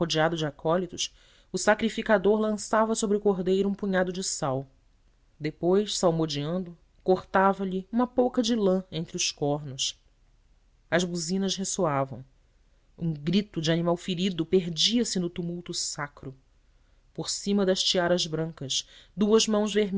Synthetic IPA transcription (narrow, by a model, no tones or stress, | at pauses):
od͡ʒiad̪ʊd͡ʒɪakʰɔlit̪ʊʃ | ʊsakɾifikad̪oɾlɐ̃savɐsobɾɪʊkoɦd̪ejɾʊũpuɲad̪ʊd͡ʒɪsaw | d̪epojʃsawmod͡ʒiɐ̃nd̪ʊ | koχt̪avɐʎiũmɐpowkɐd͡ʒɪlɐ̃ẽnt̪ɾɪʊskɔɦnʊs | ɐzbuzĩnɐʃɦesoavɐ̰̃w̃ | ũɡɾit̪ʊd͡ʒɪanimawfiɾid̪ʊpeɦd͡ʒiɐsɪnʊt̪umuwt̪ʊsakɾʊ | poɾsĩmɐd̪ɐʃt͡ʃiaɾɐzbɾɐ̃ŋkɐʃd̪uɐzmɐ̃w̃zveɦm